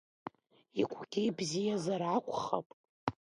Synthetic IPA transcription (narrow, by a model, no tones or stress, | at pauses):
ikʷʰɡ̥ʲijbzijazarʕakʷʰʼχa̰pʼ